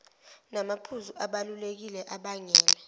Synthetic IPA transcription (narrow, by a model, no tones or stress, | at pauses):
namapʰuzuʔaɓalulek̬ilɛʔaɓaŋɛːlɛ